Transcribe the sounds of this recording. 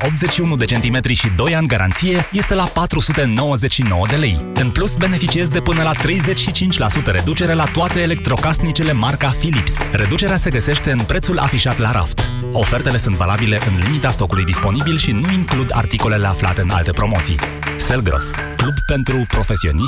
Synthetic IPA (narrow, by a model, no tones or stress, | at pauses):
ʔo̞p̚t̪zet͡ʃʲʃiunud̪e̞t͡ʃe̞nt̪ime̞t̪ɾiʃid̪o̞janʲɡaɾʔa̰nt̪sije̞je̞st̪e̞lapat̪ɾusut̪e̞no̞wəze̞t͡ʃʃino̞wəd̪e̞le̞jɨnplusbe̞ne̞fit͡ʃie̞zd̪e̞pɨnəlat̪ɾe̞jze̞t͡ʃʲʃit͡ʃint͡ʃʲlasut̪əɾe̞d̪ut͡ʃe̞ɾelat̪oat̪eːle̞k̚t̪ɾo̞kasnit͡ʃele̞markafilipsre̞d̪ut͡ʃe̞ɾease̞ɡəse̞ʃt̪e̞ɨnpɾe̞t̪sula̰fiʃat̪laɾʔa̰ft̪ | o̞fe̞rt̪e̞le̞sunt̪va̰labile̞ʔɨnlimit̪ast̪o̞kulujd̪ispo̞nibilʃinuiŋklud̪a̰rt̪iko̞le̞le̞afla̰t̪e̞ɨna̰lt̪e̞pɾo̞mo̞t̪sḭj | selɡɾo̰s | klubpe̞nt̪ɾupɾo̞fe̞sio̞̰ni